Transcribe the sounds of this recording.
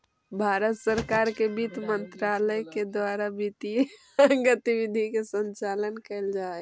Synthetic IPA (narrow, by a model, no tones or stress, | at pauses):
bʱaːɾət̪səɾkaːɾkebiːt̪mənt̪ɾaləjked̪waːɾabit̪i | ɡət̪iwid̪ʱikesə̃nt͡ʃaːlənkəld͡ʒaːe